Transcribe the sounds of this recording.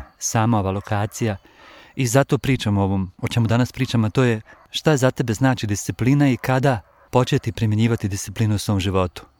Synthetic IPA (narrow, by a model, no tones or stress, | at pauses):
saːmao̞ʋaːlo̞kʰaːt̪sija | izat̪o̞ːpɾiːt͡ʃamoʋo̞ːmot͡ʃe̞mud̪anaspɾiːt͡ʃamat̪oːje̞ | ʃt̪aezat̪e̞be̞znaːt͡ʃid̪ist̪sipliːnaikad̪a | po̞t͡ʃet̪ipɾimje̞ɲiːʋat̪id̪ist̪ipliːnuusʋo̞ːmʒiʋo̞t̪u̥